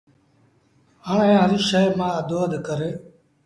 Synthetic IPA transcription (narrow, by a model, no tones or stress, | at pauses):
ɦəːɳẽːɦəɾiːʃəmãːəd̪oːəd̪kəɾeː